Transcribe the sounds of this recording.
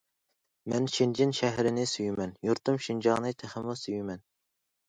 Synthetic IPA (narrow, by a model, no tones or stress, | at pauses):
mɛnʃind͡ʒinʃɛɦɾɪnɪsyjymɛnjuɾt̪ʰumʃind͡ʒɑʁnɨt̪ʰɪχɪmusyjymɛn